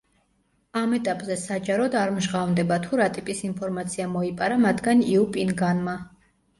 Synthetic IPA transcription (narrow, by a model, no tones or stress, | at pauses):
amɛt̪ʼapʼzɛsad͡ʒaɾɔd̪aɾmʒʁavnd̪ɛbat̪ʰuɾat̪ʼipʼisinpʰɔɾmat̪sʰiamɔipʼaɾamat̪ʰɡaniupʼinɡanma